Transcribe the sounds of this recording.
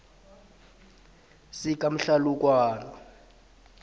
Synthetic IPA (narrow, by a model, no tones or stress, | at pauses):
sik̬ʼam̩ɬaluk̬ʼwaːnɔ